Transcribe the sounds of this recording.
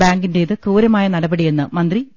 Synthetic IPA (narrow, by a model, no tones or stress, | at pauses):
baːŋɡinde̞iðɨkuːɾɐmaːjɐnɐɽɐbɐɽijenːɨ̰mɐnd̪ri